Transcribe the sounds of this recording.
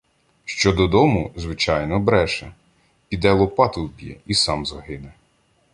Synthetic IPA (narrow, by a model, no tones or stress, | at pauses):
ʃt͡ʃɔd̪ɔd̪ɔmʊzʋɪt͡ʃɑjnɔbɾɛʃɛ | pʲid̪ɛlˠɔpɑt̪ʊwbʲijɛ̰isɑmzɐɦɪnɛ